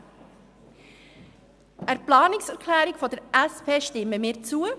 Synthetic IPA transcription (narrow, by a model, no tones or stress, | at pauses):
ʔæɾplɑːnɪksɛɾʁkʰlæːɾɪɡfɔdɛɾɛspʰeːʃtɪmːəmiːɾt͡suːə